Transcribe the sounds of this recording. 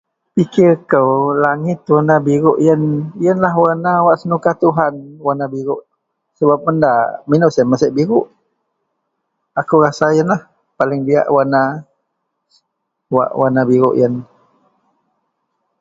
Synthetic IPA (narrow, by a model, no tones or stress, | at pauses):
pikɪrkəwlaŋɪt̪wanabiɾʊʔjənjənlaɦwanawaʔsənukat̪uɦanwanabiɾʊʔ | səbap̚məndaminʊʔsaməsəʔbiɾʊʔ | akuɾasajənlah | palɪŋbia̰ʔwana | wa̰ʔwanabiɾʊ̰ʔjən